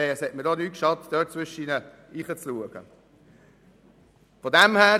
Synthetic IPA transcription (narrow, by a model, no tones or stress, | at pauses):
eɛshɛtmədɔnyːt̚kʃɑtd̥œːt̚t͡sʋʏʃiːnə | iːχət͡sluəɡ̥ə̰ | fɔdæmhæː